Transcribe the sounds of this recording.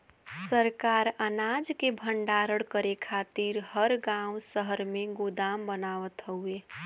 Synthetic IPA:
səɾkaɾənad͡ʒkebʱəɳɖaɾəɽkəɾekʰat̪iɾhəɾɡãũsəɦəɾmẽɡod̪ambənaʋət̪ɦəue

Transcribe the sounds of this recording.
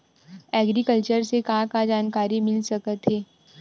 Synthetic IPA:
ɛːɡɾikəlt͡ʃəɾsekaãkad͡ʒaːnkaːɾimɪlsɐkət̪ɦeː

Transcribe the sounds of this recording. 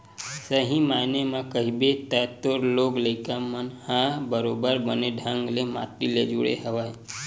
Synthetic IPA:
səɦĩmanemãkəɦibet̪ət̪oɾloɡləɪkamənhãbəɾobəɾbəneɖʱãŋɡlema̰ʈilḛd͡ʒuɽḛɦəʋaj

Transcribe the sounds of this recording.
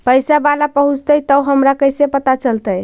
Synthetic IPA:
pəjsabalapəɦũt͡ʃt̪əjt̪əwɦəmɾakəjsepət̪at͡ʃəlt̪əj

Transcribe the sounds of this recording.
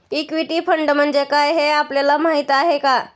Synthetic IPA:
ikʋiʈifʰəɳɖm̤əɳd͡zekajɦeapljalamaɦit̪aɦeka

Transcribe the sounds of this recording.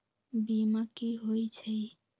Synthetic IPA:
bimakiɦojt͡ʃʰəj

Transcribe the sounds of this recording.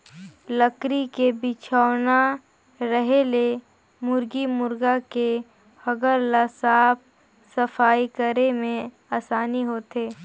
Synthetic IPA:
ləkɾikebɪt͡ʃʰaːna | ɾəɦele | mʊɾɡimʊɾɡake | həɡəɾlasaːp̚ʰ | səfaːikəɾemẽ | aːsaːniɦoːt̪eː

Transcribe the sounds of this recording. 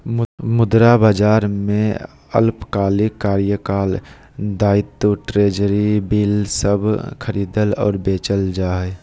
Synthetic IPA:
mʊd̪ɾabaːd͡ʒaːɾmẽ | ə̰lpkaːlikaːɾjəkaːl | d̪aːɪt̪ːoʈɾeːd͡ʒəɾibiːlsəbʱkʰəɾiːd̪əlɔ̰ːɾbeːt͡ʃəld͡ʒaːɛ

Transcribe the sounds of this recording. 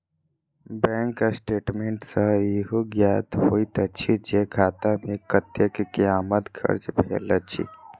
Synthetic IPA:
bɛ̃ŋkːasʈeːʈmeɳʈsə̃iɦoɡjat̪ɦoit̪ət͡ʃʰid͡ʒekʰaːt̪amekət̪jəkekeaːmət̪kʰə̰ɾt͡ʃbʱḛlət͡ʃʰḭ

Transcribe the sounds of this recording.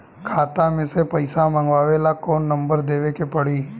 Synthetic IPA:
kʰaːt̪amẽsepəɪsamãːŋɡʋaːʋeːlakoːnːəmbəɾd̪eːʋekepəɽiː

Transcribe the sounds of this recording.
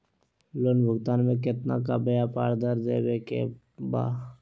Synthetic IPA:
lonbʱʊɡt̪aːnmẽk̬ɪt̪na̰kabəjapa̰ːɾd̪əɾd̪ḛːbekḛ | ba̰ː

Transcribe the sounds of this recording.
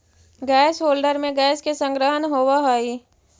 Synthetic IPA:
ɡɛːsɦoːlɖəɾmẽɡɛːskesə̃ŋɡɾəɦənɦowaɦoːi

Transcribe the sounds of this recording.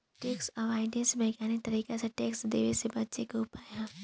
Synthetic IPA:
ʈeːksɔːʋaːɪɖẽnsbʱɛːɡaːnik̚t̪ɐɾiːkeseʈeːksd̪eːʋesebɐtːʃekoʊpaːjaː

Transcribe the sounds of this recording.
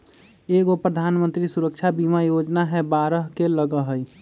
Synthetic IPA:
eɡopɾəd̪ʱaːnmə̃nt̪ɾisuɾəkt͡ʃʰabimajod͡ʒnaɦɛbaɾəɦkeləɡəɦəj

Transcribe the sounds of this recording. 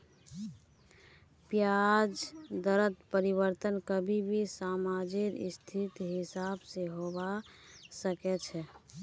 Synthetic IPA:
pjad͡ʒd̪əɾət̪pəɾibəɾt̪ənkəbʱibʱisamad͡ʒiɾɪ̰st̪ʰit̪ɦɪsabseɦobasəkɛt͡ʃʰɛ

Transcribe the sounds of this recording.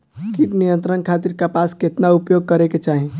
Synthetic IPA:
kiʈnijənt̪ɾənkʰat̪iɾkapasket̪naupjoɡ̚kəɾeket͡ʃaɦi

